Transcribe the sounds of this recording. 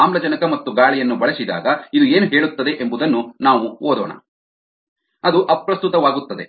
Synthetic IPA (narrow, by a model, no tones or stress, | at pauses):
aːmlɐd͡ʒɐnɐkɐmɐt̪ːuɡaːɭɛjɐnːubɐɭɐsid̪a̰ːɡɐid̪ueːnuɦe̞ːɭut̪ːɐd̪e̞ʔembud̪ɐnːunaːʋuoːd̪ɔːɳɐ̰ | ɐd̪uʔɐpɾɐst̪ut̪ɐʋaːɡut̪ːɐd̪e̞̰